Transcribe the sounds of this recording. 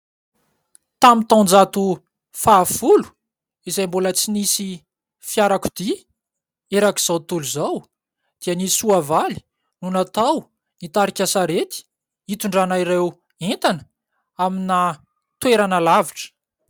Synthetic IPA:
t̪amit̪õnd͡zat̪u | faːfulu̥ | izejmbolət͡sinisi | fjaɾaku̥d̪i | eɾaki̥z̥awt̪uluzaw | d̪̥iənisuavali̥ | nunat̪aw | nit̪aɾikʲasaɾet̪i̥ | it̪uɳɖ͡ʐanaiɾew | ent̪anə̥ | amina | t̪weɾanəlaviʈ͡ʂə̥

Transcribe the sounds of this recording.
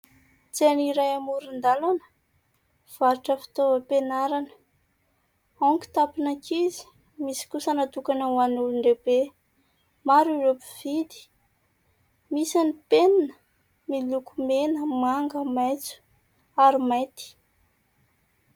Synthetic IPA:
t͡seniɾajamuɾind̪alanə̥ | v̥aɾiʈ͡ʂəfi̥t̪ovəpenaɾanə̥ | oŋki̥t̪apinakʰizi̥ | misi̥kusənat̪ukanəwanuluɳɖ͡ʐebe | maɾiɾopivid̪i̥ | misanipeninə | milukumenəmaŋɡəmajt͡su̥ | aɾimajt̪i̥

